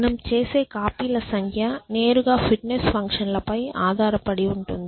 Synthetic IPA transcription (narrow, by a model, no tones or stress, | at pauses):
nɐmt͡ʃeːseːkaːpiːlɐsɐŋkʰjaneːɾuɣaːfɪʈnesfɐŋkʂɐnlɐpɐjaːðaːɾɐpɐɽiʊɳʈund̪ii